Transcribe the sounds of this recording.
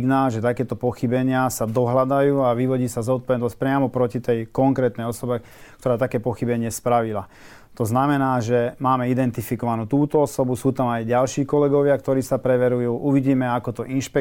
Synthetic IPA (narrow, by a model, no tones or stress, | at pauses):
ɡnaːlʒɛt̪akɛːt̪ɔpɔxibɛɲɪasad̪ɔɦlad̪ajuːaʋiʋɔɟiːsazɔt̪̚pɔʋɛd̪nɔsc̚pɾɪamɔpɾɔcit̪ɛjkɔŋkɾɛːt̪nɛjɔsɔba | kt̪ɔɾaːt̪akɛːpɔxibɛɲɪɛspɾaʋila | t̪ɔznamɛnaːʒɛmaːmɛid̪ɛnt̪ifikɔʋanuːt̪uːt̪ɔɔsɔbusuːt̪amajɟalʃiːkɔlɛɡɔʋɪakt̪ɔɾiːsapɾɛʋɛɾujuːʔuʋiɟiːmɛakɔt̪ɔʔinʃpɛ